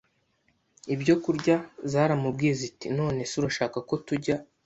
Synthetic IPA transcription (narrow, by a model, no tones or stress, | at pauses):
ibɟo̞kuɾɟazaːɾamub̚ɡiːjezitino̞ːne̞siɾaʃaːkako̞tuɟa